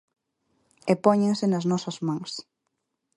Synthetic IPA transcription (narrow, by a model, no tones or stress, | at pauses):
epɔɲeŋsɪnɐznɔsɐzmãŋs